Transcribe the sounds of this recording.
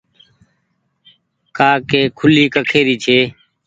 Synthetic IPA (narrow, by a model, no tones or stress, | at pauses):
kaːkeːkʰʊliːkəkʰeːɾiːt͡ʃʰeː